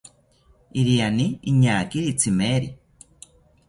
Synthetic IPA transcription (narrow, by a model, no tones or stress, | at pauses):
iɾianiiɲaːkiɾit͡sʰimeːɾi